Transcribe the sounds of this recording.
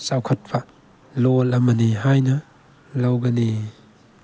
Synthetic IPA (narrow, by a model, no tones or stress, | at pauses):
sawkʰɐt̚bʰɐ | lolɐmɐniɦajnɐ | lawɡɐni